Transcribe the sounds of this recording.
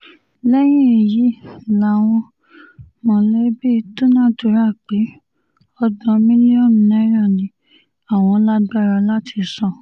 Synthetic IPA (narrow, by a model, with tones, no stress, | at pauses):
lɛ˦j̃ĩ˦˨ji˨˦la˨w̃ɔ̃˧ | mɔ̃˨le˦bi˦˨to˦nã˦to˨ɾa˦˨k͡pe˨˦ | ɔ˧dɔ̃˧mĩ˦nĩ˦ɔ˦˨mĩ˨nɛ̃˦ɾã˦˨nĩ˨˦ | a˨w̃ɔ̃˧la˦ɡ͡ba˦˨ɾa˧˦la˦tʰi˧sɔ̃˦˨